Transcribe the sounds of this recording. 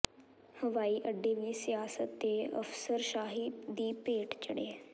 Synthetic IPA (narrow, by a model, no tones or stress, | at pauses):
həʋaːiːʔəɖːeːʋiːsɪjaːsət̪̚ːeːə̰fsəɾʃaːɦid̪iːpeːʈt͡ʃəɽeːɛː